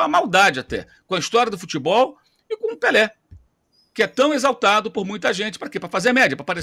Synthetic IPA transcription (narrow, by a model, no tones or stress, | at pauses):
ɐmawd̪ad͡ʒɪat̪ɛ̰ | kõɐist̪ɔɾiɐd̪ʊfut͡ʃibɔw | ɪkõũpelɛ | kɪɛt̪ɐ̃w̃ezawt̪ad̪ʊpʊɾmũj̃t̪ɐʒẽnt͡ʃɪ̥pɾɐkepɾɐfazeɾmɛd͡ʒɐpɾɐpaɾe